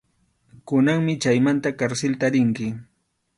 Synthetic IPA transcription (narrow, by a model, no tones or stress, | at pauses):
kʊnaŋmɪt͡ʃajmant̪akaɾsɪlt̪aɾɪŋkɪ